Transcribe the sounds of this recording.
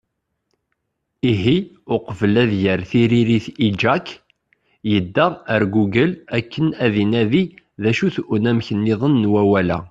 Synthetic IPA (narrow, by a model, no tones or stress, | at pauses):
iɦi | ʊqvəlæðjəɾθiɾiɾiθid͡ʒæk | jəd̪ːæəɾɡuɡəlækːənæðinæði | ðæʃuθunæmçənːɪðˤənːwæwælæ̰